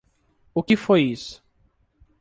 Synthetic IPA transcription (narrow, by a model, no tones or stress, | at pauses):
ʊkɪfojisʊ̥